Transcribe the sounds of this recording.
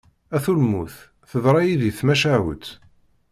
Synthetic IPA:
æθulmuθ | θəðɾˤɑjiðiθmæʃæwə̰t̪

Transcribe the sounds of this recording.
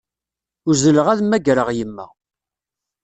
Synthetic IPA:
ʊɾzələʁæðmːæɡɾəʁjəmːæ̰

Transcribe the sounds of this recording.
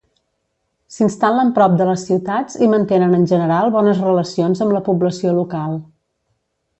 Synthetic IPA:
sinst̪aləmpɾɔp̚d̪ələsːiwt̪ad͡zimənt̪enənənʲʒənəɾalˠβɔnəzrələsionzəmləpubləsiolukalˠ

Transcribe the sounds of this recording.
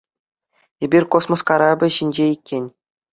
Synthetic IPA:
ebʲirʲkosmoskɑɾɑbʲɘ̆ɕinʲd͡ʑeikʲːenʲ

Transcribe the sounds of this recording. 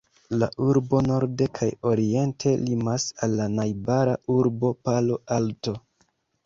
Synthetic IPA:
laʔuɾbo̞no̞ɾde̞kʰajo̞ɾie̞ntʰe̞limasalːanajbaɾaʔuɾbo̞palo̞alto̞

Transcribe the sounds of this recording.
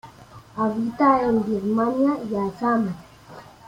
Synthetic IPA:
abit̪aembiɾmaniajasama

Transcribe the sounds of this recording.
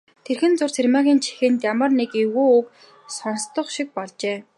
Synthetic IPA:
t̪ʰerxɘ̆nt͡sʊrsʰermaːɣʲiːnt͡ɕʰi̥xɘ̆nt̪jamə̆rnekeɣuːuk | sɔnst̪ɞ̆χʃik̚pɔɮt͡ɕeː

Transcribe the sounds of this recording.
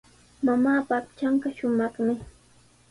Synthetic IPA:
mamaːpaːpt͡ʃaɴɢɑʃʊmɑχmɪ

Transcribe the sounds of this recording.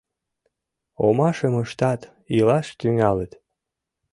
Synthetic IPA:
omɑʃəməʃt̪ɑt̪ | ilɑʃt̪yŋɑlət̪

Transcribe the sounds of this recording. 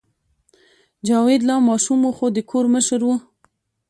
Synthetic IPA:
d͡ʒɑwed̪lɑmɑʃumwuxod̪əkʰoɾməʃəɾwu

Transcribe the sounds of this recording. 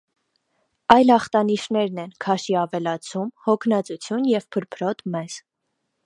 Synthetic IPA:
ɑjlɑχt̪ɑniʃnɛɾnɛnkʰɑʃiɑvɛlɑt͡sʰumhɔkʰnɑt͡sut͡sʰjunjɛvpʰəɾpʰɾɔt̪mɛz̥

